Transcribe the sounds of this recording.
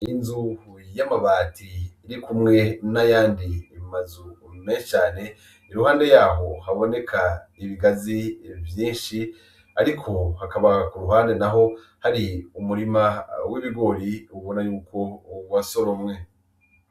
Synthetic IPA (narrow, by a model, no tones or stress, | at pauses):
inzuhujamaβaːtʰiːɾikumŋe̞najaːndimazumet͡ʃaːne̞ | iɾuhaːnde̞jaːɦo̞ɦaβo̞ne̞kʰaiβiɡazivjiːnʃi | aɾikʰo̞hakaβakuɾuɦaːnde̞naɦo̞ | haɾiumuɾimawiβiɡo̞ɾiuβo̞najuːko̞ɡwaso̞ɾomŋe̞